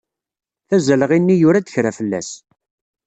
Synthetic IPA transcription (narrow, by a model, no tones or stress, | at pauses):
θæzələʁinːijʊɾæd̪əçɾæfəlːæ̰s